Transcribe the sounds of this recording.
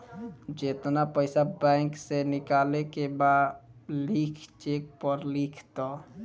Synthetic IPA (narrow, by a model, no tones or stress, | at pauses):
d͡ʒet̪napəɪsabɛ̃ɪŋksenikalekebad̪likʰt͡ʃek̚pəɾlikʰt̪ɔ